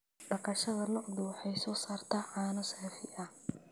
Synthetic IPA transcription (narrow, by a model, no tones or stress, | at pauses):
ɖɐkɐʃɐðɐnɔʕðʊwɑħɑjsɔːsaːrt̪ʰaːʕɑːnɐsɛːfɪʔɐh